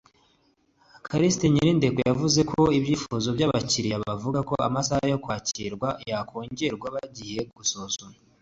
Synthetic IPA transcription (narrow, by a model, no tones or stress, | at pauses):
kaɾisteɲiɾinde̞ɡojavuze̞kʰo̞ibɟiːfuzo̞bɟaβaciɾijaβavuɡako̞̰a̰masahajo̞kwaːciɾɡwajakʰo̞ːɲɟe̞ɾɡwaβaɟije̞ɡusosona